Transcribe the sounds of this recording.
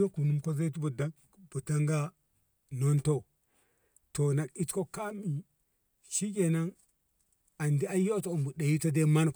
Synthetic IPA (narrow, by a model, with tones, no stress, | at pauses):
o˦ku˨nu˦mkʷa˦za˦i˦t̬u˦bo˨da˦k | bu˨ta˦ŋɡa˦ | no˦nto˦ | to˨na˨ki˦tko˦ka˦mi˨ | ʃi˦kʲe˨na˦ŋ | a˨ndi˦a˦jo˦to˨u˨mbu˨da˨ji˦to˦de˦ma˦n˨